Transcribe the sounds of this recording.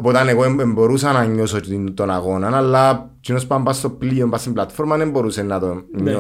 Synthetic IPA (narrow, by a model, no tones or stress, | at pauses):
pot̪aneɣoememboɾus̬anaɲːosot͡ʃit̪onaɣonanalːa | t͡ʃinospambast̪opliombasimblat̪foɾmanemboɾusenːat̪oɲːo